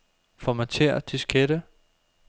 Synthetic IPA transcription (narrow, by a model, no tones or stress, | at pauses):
fɒ̽mæt͡sʰeɐ̰d̥isɡ̥ʰeɾ̥ə